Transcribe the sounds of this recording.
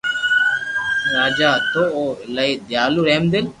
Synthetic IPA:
ɾaːd͡ʒaːt̪ooːlaid̪jaːluːɾɛɦmd̪ɪl

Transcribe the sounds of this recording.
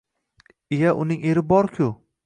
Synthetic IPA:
ejaʔʊnɪŋe̞ɾɪbɒɾkʲʰʊ

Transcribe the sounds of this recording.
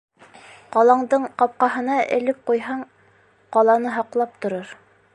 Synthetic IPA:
qɑlˠɑɴd̪ɤɴqɑp̚qɑɦɤ̆nɑʔɘ̰̆lɘp̚qujɦɑɴ | qɑlˠɑnɤɦɑqlˠɑp̚t̪ŏɾɤɾ

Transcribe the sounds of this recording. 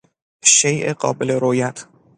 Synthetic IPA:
ʃejʔeɢɒ̰ːbeleɾoːjæt̪ʰ

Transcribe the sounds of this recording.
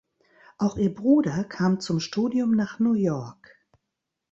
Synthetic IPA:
ʔaʊxʔiːɐbʁuːdɐkʰaːmt͡sʊmʃtuːdiʊmnaːχnuːjɔɐk

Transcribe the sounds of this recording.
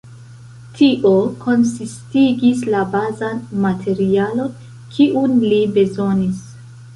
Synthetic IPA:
tʰiʔoko̞nsistiɡislabazanmatʰe̞ɾialo̞n | kʰiʔunlibe̞zo̞nis

